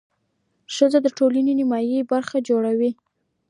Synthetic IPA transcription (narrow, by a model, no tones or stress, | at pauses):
ʃəzod̪əʈolanenɪmɑjibaɾxad͡ʒoɽawi